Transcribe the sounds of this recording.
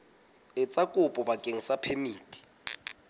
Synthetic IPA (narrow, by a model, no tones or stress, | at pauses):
ɪt͡sʼakʼʊpʼɔbakʼeŋ̩sapʰemiːtʼi̥